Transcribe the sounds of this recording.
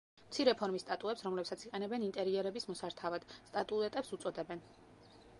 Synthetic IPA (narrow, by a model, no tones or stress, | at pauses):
mt̪sʰiɾɛpʰɔɾmist̪ʼat̪ʼuɛpsɾɔmlɛpsat̪sʰiqʼɛnɛbɛnint̪ʼɛɾiɛɾɛbismɔsaɾt̪ʰavad̪̥st̪ʼat̪ʼuɛt̪ʼɛpsut̪sʼɔd̪ɛbɛn